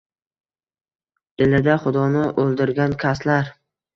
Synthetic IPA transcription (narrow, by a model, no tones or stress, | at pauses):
elɪd̪aχʊd̪ɒnɪʔolˠd̪ɪɾɡʲankʲʰaslaɾ